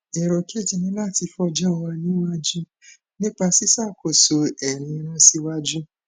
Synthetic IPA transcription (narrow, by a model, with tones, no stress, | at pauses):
ɛ˨ɾɔ˨ke˦˨d͡ʒi˨nĩ˧˦la˦˨ti˧fɔ˧d͡ʒɛ˦˨˧wa˧nĩ˦wa˦d͡ʒu˦ | nĩ˦k͡pa˧si˦sa˦˨ko˨so˨ɛ˨ɾĩ˨˧˨ɾã˦si˦wa˦d͡ʒu˦